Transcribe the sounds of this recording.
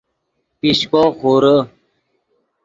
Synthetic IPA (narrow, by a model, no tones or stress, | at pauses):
piɕkoxoɾə